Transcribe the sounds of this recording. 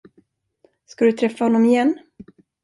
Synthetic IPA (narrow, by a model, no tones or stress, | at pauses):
skad̪ɵt̪ʰɾɛfːahɔnːɔmɪjɛnː